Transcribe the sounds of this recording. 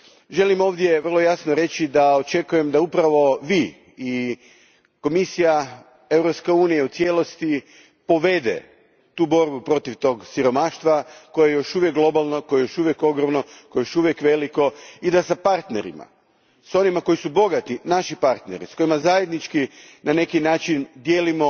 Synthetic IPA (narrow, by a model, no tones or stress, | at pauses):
ʒe̞limo̞ːʋd̪je̞ʋər̩lˠo̞jasnoɾe̞t͡ʃid̪ao̞t͡ʃe̞kuje̞md̪aupɾaʋo̞ʋiː | ko̞misija | e̞vɾo̞pskeuːnijaut̪sje̞lˠo̞st̪i | po̞ʋe̞d̪ḛ | t̪uːbo̞ɾbupɾo̞t̪iʋt̪o̞ːɡsiɾo̞maːʃt̪ʋako̞jejo̞ʃuʋjek̚ɡlˠo̞balˠno̞ko̞jejoʃuʋjeko̞ɡɾomnokojejoʃuʋjekʋe̞liko̞id̪asapaɾt̪ne̞̰ɾḭma̰ | so̞nimako̞isubo̞ɡat̪inaʃipaɾt̪ne̞̰ɾisko̞jimazajed̪nit͡ʃkinane̞kinaːt͡ʃind̪jeːlimo̞